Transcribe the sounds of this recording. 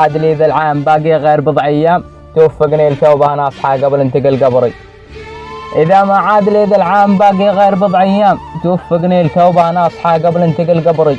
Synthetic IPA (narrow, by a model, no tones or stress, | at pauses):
aːd̪led̪alʕaːmbaːɡiɣeːɾbɨd̪ˤʕajːaːm | t̪wafːɪɡneːlt̪awbahanɑːsˤħɑɡablɪnt̪ɪɡɪlɡabɾˤi | ʔɪðamaʕaːd̪leːd̪alʕaːmbaːɡiɣeːɾbɨd̪ˤʕajːaːmt̪wafːɪɡneːlt̪awbahanɑːsˤħɑɡabɪlɪnt̪ɪɡɪlɡabɾˤi